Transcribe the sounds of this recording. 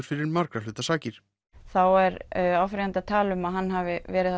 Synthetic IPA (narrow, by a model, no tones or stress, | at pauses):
ʏɾ̥fɪɾɪɾmaɾkɾalʏːt̪asaːcɪɾ̥ | θawɛɾawfɾiant̪at̪ʰaːlʏmaðɦanːɦavɪvɛːɾɪ